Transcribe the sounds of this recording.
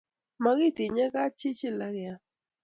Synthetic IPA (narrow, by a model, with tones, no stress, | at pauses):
ma˩˨ɣi˥˨t̪e˨ɲa˥˨ka˥˨t͡ɕe˥˨t͡ɕe˥˨la˩˨kja˨